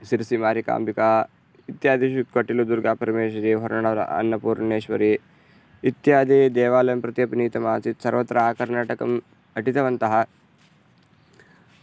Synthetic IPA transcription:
siɾsimaːɾika̰ːmbikaː | it̪jaːd̪iʃukɐʈilud̪uɾɡaːpɐɾɐmeːʃɐɾiʋɐɾɳɐɳɐ̰ɐ̰nːɐpuːɾɳeːʃʋɐ̰ɾiː | t̪jaːd̪ʱiːd̪eːʋaːlɐjɐmpɾɐt̪ijɐpiniːt̪ɐmaːt͡sit̪sɐɾʋɐt̪ːɾaaːkɐɾnaːʈɐkɐm | ɐʈit̪ɐʋɐnt̪ɐɦɐ

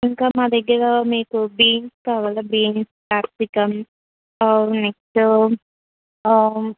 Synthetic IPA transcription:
iŋkaːmaːd̪ɐɡːɐɾɐmiːkubiːŋskaːʋaːlɐbiːŋsplaːɾsikɐm | ɐɾunekʈu

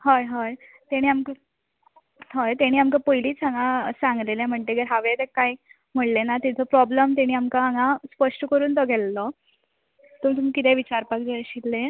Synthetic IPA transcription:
ɦojɦoj | t̪eɽ̃iːamkə | ɦojt̪eɽ̃iːamkəpojliːt͡saŋasãŋɡleljam̤əɳt̪eɡəɾɦaʋet̪ekaj | m̤əɽlenat̪it̪ʰepɾɔbləmt̪̬eɽ̃iːamkaːŋaspəʂʈkəɾuːnt̪ɔɡʱɛlːɔ | t̪umt̪umikit̪eʋit͡ɕaɾpak̚d͡zeəɕit̪lẽ

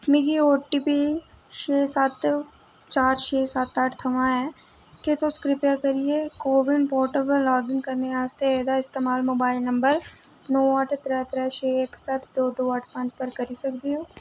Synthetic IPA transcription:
mɪɡioːʈiːpiʃeːsɐt̪ | t͡ʃaːɾt͡ʃeːsat̪aːʈʰt̪ʰɐʋãɦɛ̃ː | ket̪oskɾɪpʈãkɐɾiekoːʋɪɳpɔːɾʈəpəɾlɔːɡɪ̃ŋɡkɐɾneaːst̪eɛːd̪aɪst̪eːmaːlmoːbaːɪlnɐ̃mbəɾ | nɔːəʈʰt̪ɾɛːt̪ɾɛːt͡ʃeːksɐt̪d̪oːd̪oːəʈʰpɐ̃ɲt͡ʃpəɾkɐɾisɐkd̪iɦoː

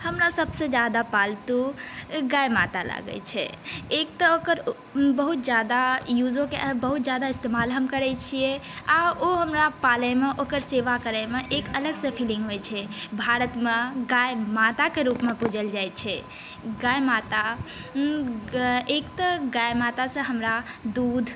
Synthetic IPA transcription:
həmɾasəbsẽd͡ʒad̪apalt̪uɡajmat̪ala̰ɡɛ̰t͡ʃʰɛ̰ek̚t̪əokəɾ | bəɦut̪̚d͡ʒjad̪ajud͡ʒokeʔbəɦut̪̚d͡ʒjad̪aist̪emalɦəmkəɾɛt͡ʃʰijeaoɦəmɾapaləmeʔokəɾseʋakəɾəmeʔekələɡsə̃pʰiliŋɡɦojt͡ʃʰɛbʱaɾət̪meɡajmat̪akeɾupmepud͡ʒəld͡ʒajt͡ʃʰɛ | ɡajmat̪a | ekt̪əɡajmat̪asə̃ɦəmɾa | d̪ud̪ʱ

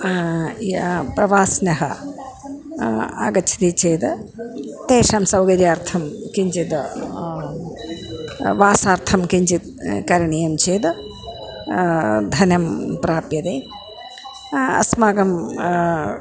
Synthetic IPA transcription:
jɐpɾɐʋaːsnɐɦɐ | a̰ːɡɐt͡ʃʰi̥t̪it͡ʃeːd̪ | t̪eːʂamsɐwɡɐd̪iaːɾt̪ʰɐmkiɲt͡ʃit̪ | ʋaːsaːɾt̪ʰɐmkiɲt͡ʃit̪̚kɐɾiɳijɐmt͡ʃeːd̪ | d̪ʱɐnɐmpɾaːpjɐd̪eː | ɐ̰smaːɡɐm

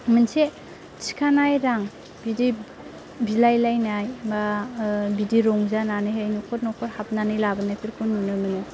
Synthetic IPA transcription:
mɯnse | t͡ʃi̥kʰanajɾaŋ | bidi | bilajlajnajmabidiɾɔŋzananɯɦejnukʰɔɾnɔkʰɔɾhap̚nanɯjlabɯnapʰiɾkʰunːunɯmɯnɯ

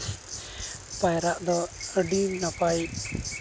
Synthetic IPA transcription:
pajɾaʔd̪ɔɖimnapaj

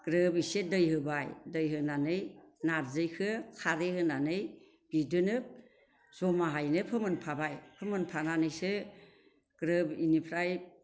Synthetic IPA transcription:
ɡ̥ɾɯbisedɯjhɯbajdɯjɦɯnanɯjnaɾzɯjkʰɯkʰaɾehɯnanɯj | b̥idɯnɯp̚ | z̥ɔmaɦajnɯpʰɯmɯnpʰabajpʰɯmɯnpʰananɯjse | ɡ̥ɾɯbinipʰɾaj

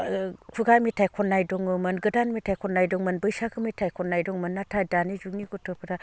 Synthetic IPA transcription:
pʰɯɡamitʰajkʰɔnːajdɔŋɯmɯnɡɯdanmitʰajkʰɔnːajdɔŋmɯnbɯjsakʰɯmitʰajkʰɔnːajdɔŋmɯnːatʰadanizuŋniɡɔtʰɯpʰɯda

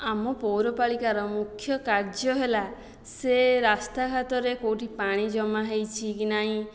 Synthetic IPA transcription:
amɔpowɾɔpaɭikaɾɔmukʰjɔkaɾd͡ʒɔɦela | seɾast̪akat̪ɔɾekowʈipaɽ̃id͡ʒɔmaɦejt͡ʃʰikinaɦĩ

